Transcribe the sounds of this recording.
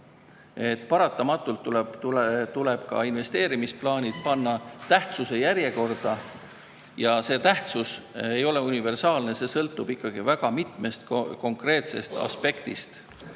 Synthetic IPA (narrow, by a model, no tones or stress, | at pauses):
e̞t̪ːˑpɑɾɑt̪ˑːɑmɑt̪ːˑult̪ːult̪ut̪uleb̥kɑ̰inve̞st̪e̞ːɾimisplɑːnʲit̪pɑnːɑt̪æht̪suse̞jæɾje̞ko̞rd̪̥ɑ | jɑse̞ːt̪æht̪susejo̞le̞unʲive̞rsɑːlne̞se̞ːsɤlt̪ːˑub̥ikːɑɡ̥ivæɡ̥ɑmit̪ˑme̞st̪kko̞ŋkre̞ːt̪se̞st̪ɑ̰spe̞kt̪ḭst̪